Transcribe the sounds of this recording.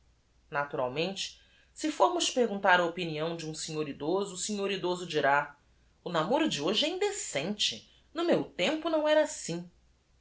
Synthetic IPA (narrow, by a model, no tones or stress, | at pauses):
nat̪uɾa̰wmẽnt͡ʃɪ̥ | sɪfoɾmʊʃpeɾɡũnt̪aɾɐopiniɐ̃w̃d͡ʒɪũsĩɲoɾid̪ozʊsĩɲoɾid̪ozʊd͡ʒiɾa | ʊnamoɾʊd͡ʒɪoʒɪɛĩnd̪esẽnt͡ʃɪ | nʊmewt̪ẽmpʊnɐ̃w̃ɛɾɐasĩ